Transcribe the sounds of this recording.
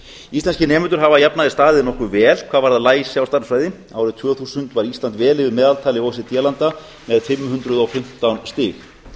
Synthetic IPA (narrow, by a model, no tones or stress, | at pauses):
ist̪lanscɪnɛːmʏnt̪ʏɾ̥ɦavajapnaðɪst̪aːðɪðnɔhkʏvɛːl̥kʰvaːðvaɾðalaːjsɪawst̪aɾsfɾajðɪ | aːwɾɪðt̪ʰvœːθusʏnt̪vaɾist̪lant̪vɛːlɪvɪɾmɛːðalt̪ʰaːlɪɔws̬ɪt̪jɛlant̪a | mɛðfɪmːɦʏnt̪ɾʏðɔwfɪm̥t̪ːawnst̪ɪːx